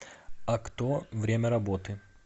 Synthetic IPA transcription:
ɐkt̪ovɾʲemʲəɾɐbot̪ɨ

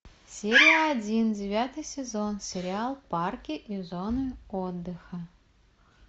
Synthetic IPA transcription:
sʲeɾʲɪjəɐdʲindʲɪvʲat̪ɨjsʲɪzo̞nsʲɪɾʲɪalˠparkʲɪʔizonɨod̪ːɨxə

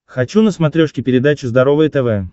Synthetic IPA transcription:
xɐt͡ɕunəsmɐt̪ɾʲoʂkʲɪpʲɪɾʲɪd̪at͡ɕʊzd̪ɐɾo̞vəjt̪ɛvɛ

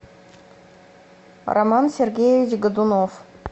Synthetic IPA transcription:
ra̰mɑnsʲerɡʲejevʲit͡ɕɡəd̪unof

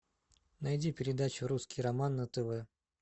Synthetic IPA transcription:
nɐjdʲipʲɪɾʲɪd̪at͡ɕʊɾuskʲijɾɐmanːət̪ɛvɛ

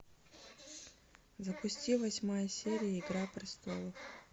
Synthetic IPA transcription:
zɐpʊsʲtʲivɐsʲmajəsʲeɾʲɪjəɪɡɾaprʲɪst̪o̰lˠəf

